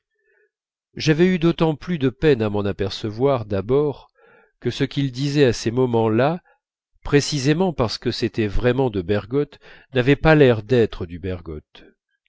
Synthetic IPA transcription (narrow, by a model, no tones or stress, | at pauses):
ʒavɛyd̪ot̪ɑ̃plyd̪əpɛnamɑ̃napɛʁsəvwaʁd̪abɔʁ | kəsəkʲild̪izɛasemɔmɑ̃la | pχesizemɑ̃paʁsə̥kəset̪ɛvʁɛmɑ̃d̪əbɛʁɡɔt̪navɛpalɛʁd̪ɛt̪χəd̪ybɛʁɡɔ̰t̪